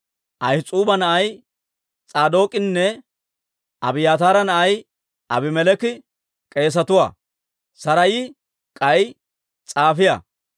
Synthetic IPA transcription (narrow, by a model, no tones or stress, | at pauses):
ʔɐjt͡sʼuːbɐnɐʔɐj | t͡sʼaːd̪o̞ːkʼɪnːɛ | ʔɐbɪjaːt̪aːɾɐnɐʔɐj | ʔɐbɪmɛlɛkɪ | kʼe̞ːs̬ɐt̪ʊwa̰ː | sɐɾɐjɪ | kʼɐj | t͡sʼaːfɪjɐ̰